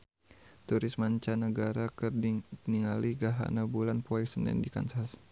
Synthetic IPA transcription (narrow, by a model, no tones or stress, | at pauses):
t̪uɾɪsmaɲt͡ʃanəɡaɾakərniŋaliɡaɦa̰nabulanpɔɛksənɛ̰ndika̰nsas